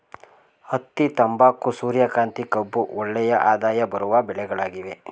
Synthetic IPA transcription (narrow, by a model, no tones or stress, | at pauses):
ɐt̪ːit̪ɐmbaːkːusuːɾjɐkaːnt̪ikɐbːuʔɔɭːɛjɐʔaːd̪aːjɐbɐɾuʋɐbɛɭɛɡɐɭaːɡiʋe